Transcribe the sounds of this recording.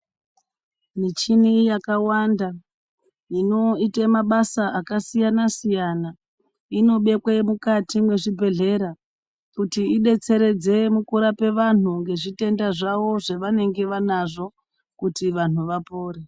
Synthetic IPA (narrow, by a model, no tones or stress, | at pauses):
mit͡ʃinijakawanda | ino̞itemaɓasaʔakasijanasijana | ino̞ɓe̞kwemukatimwe̞ʐibʱe̞ɮe̞ɾa | kutiiɗe̞t͡se̞ɾe̞d͡ze̞mukuɾape̞ʋan̤uŋɡe̞ʐite̞ndaʐaʋo̞ʐeʋane̞ŋɡe̞ʋanaʐo̞ | kutiʋan̤uʋapo̞ːɾe